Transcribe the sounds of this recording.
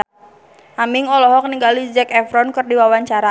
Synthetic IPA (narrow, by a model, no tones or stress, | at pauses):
ʔamiŋɔlɔɦɔk̚niŋɡalid͡ʒɛkɛfɾɔnkɨrdiwawaɲt͡ʃaɾa